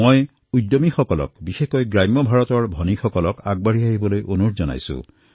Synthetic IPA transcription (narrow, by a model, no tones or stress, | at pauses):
moj | udomixɔkɔlɔ̰kbixekojɡɹajmːɔbʱaɹɔtɔɹbʱɔnixɔkɔlɔkaɡ̚baɹɦiaɦibɔlojʔonuɹzɔna̰jsʊ̰̃